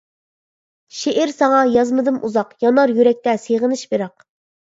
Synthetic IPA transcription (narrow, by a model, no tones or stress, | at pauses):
ʃeʔɪɾsɑŋɑjɑzmɨd̪ɨmʔuzɑqjɑnɑɾjyɾɛk̚ʲt̪ɛseʁənɨʃbeɾɑq